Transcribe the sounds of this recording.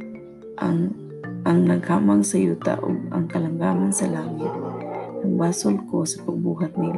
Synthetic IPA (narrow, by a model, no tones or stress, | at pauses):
ʔaŋ | ʔaŋnaɡhaːmaŋsajuːt̪a̰ʔʊ̰ɡ̚a̰ŋkalaŋɡaːmansalaːŋɪt̪̚aŋbaːsʊlkosapaɡ̚buːɦat̪̚nil